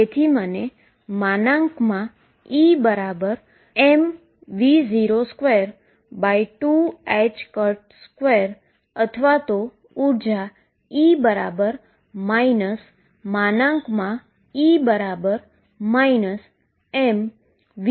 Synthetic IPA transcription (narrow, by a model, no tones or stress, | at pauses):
et̪ʰiməne | manãŋkmã | ibəɾabəɾ | em | ʋid͡ʒiɾoskʋeɾ | bajʈuɛt͡ʃkəɾʈskʋeɾ | ət̪ʰəʋat̪o | uɾd͡ʒa | ibəɾabəɾ | mainəs | manãkmã | ibəɾabəɾ | mainəs | em | ʋ